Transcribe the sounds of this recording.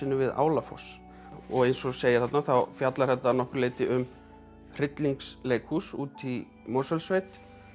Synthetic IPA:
ɪnːʏvɪða̰ːwlafɔ̰s | ɔɣejnsɔseːjaθat̪naθawfjat̪laɾ̥hɛht̪ːanɔhkʏɾleːjt̪ɪʔʏm | r̥ɪt̪liŋksleːjkhusuːt̪i | moːsɛlsvejt̪

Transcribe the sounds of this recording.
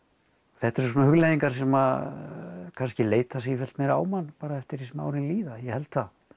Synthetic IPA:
θɛht̪ɛɾ̥soːnahʏɣlejðiŋkaɾ̥sɛma | kʰanscɪleːjt̪asifɛl̥t̪mejɾa̰ːwmanːpaːɾaɛft̪ɪɾisma̰ːwɾɪnliːðajɛhɛlt̪θað

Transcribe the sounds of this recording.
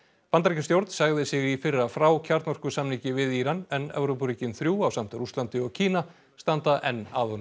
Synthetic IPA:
pant̪aɾicɪnst̪jowɾt̪nsaɣðɪsɪɣifɪrːafɾaːwcʰaɾt̪nɔr̥kʏ̥samnicɪvɪðiːɾanɛnɛ̰vɾowpriːcɪnθɾjuːawsam̥t̪ʏɾust̪lant̪ɪɔɣcʰiːna | st̪ant̪aʔɛnːaːðɔn

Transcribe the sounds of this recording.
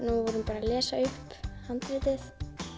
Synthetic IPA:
nuvɔɾhʏnpaːɾalɛːsaʏhpːhant̪ɾɪːt̪ɪθ

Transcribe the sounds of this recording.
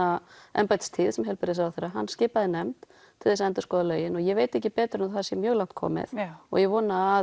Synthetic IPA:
aɛ̰mpajt̪st̪ʰɪðsɛmɦɛlpɪɾɪs̬awθejɾːaɦanːscɪːpaðɪnɛmt̪ | t̪ʰɪlɛs̬aɛnt̪ʏ̥skɔːðalœːɥjɪnɔɣjɛɣveːjt̪ɛhçcːɪpɛːt̪ɾʏnθasjɛmjœːɣlaw̥t̪̚kʰɔ̰ːmɪ̰ðɔ̰ɣjɛvɔːnaa

